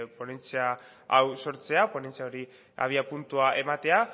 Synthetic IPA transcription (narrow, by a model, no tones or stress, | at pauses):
po̞ne̞nt͡siaː | wso̞ɾt͡se̞apone̞nt͡siaoɾi | a̰β̞iapunt̪uaʔe̞mat̪e̞a